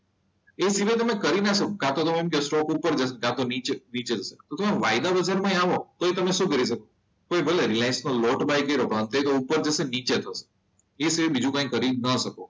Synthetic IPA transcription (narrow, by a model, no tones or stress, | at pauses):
esiʋəjt̪̬əmekəɾinasəkokãt̪ot̪omemkesʈɔkupəɾd͡ʒəsekãt̪onit͡ʃenit͡ʃed͡ʒəset̪ot̪əmẽʋajd̪abəd͡ʒaɾmãj̃aʋot̪oet̪əmeʃũkəɾiʃ̬əko | kojbʱəleɾilajnsnolɔʈbajkəiɾopəənt̪et̪oupəɾd͡ʒəsenit͡ʃet̪ʰəse̥ | esiʋəbid͡ʒũkãĩkəɾinəʃəko